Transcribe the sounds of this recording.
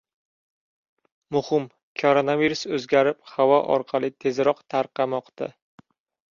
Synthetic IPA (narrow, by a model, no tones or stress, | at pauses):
mʊhɪm | kʰoɾonaviɾusɵzɡʲaɾɪphavɒʔɒ̰ɾqʰɑlˠɪt̪ʰe̞zɾɒqt̪ʰaɾqʰɑmɒqt̪ʰa̰